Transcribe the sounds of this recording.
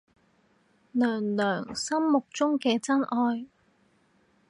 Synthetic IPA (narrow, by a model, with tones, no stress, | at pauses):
lœː˨˩ŋlœː˨˩ŋsɐ˥mmʊ˨k̚t͡sʊ˥ŋkɛː˧t͡sɐ˥nʔɔː˧j